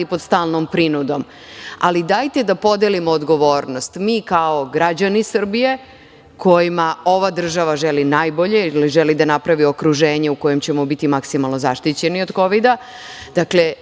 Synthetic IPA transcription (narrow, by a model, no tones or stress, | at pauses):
ipod̪st̪aːlˠnompɾinud̪o̞m | a̰lid̪ajt̪ed̪apo̞d̪elimoːd̪ɡo̞ʋo̞ːɾnost̪miːkaoɡɾad͡ʑanisr̩bije̞ | kʰo̞jimao̞ʋad̪r̩ʒaʋaʒelinaːjbo̞ʎe̞iliʒelid̪anapɾaʋio̞kɾuʒe̞ːɲe̞uko̞je̞mt͡ɕemobit̪imaksimalˠnozaʃt̪it͡ɕenio̞d̪ko̞ʋid̪a | d̪̥akle